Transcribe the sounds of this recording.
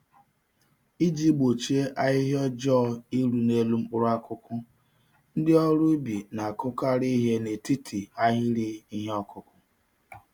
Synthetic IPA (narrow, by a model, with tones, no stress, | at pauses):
i˦d͡ʒi˦ɡ͡bo˨t͡ʃi˦e˦ʔa˦ɦɪ˦ɦɔ˦d͡ʒɔ˦i˦ɾu˨ne˦lu˦m̩˦ʊ˦ɾa˦kʊ˦kʊ˦ | n̩˦dɪ˦ɔ˦ɾʊ˦bi˨na˨kʊ˦ka˦ɾi˦ɦe˦ne˨ti˦tʰi˨a˦ɦi˦ɾi˦i˦ɦe˦ɔ˦kʊ˦kʊ˦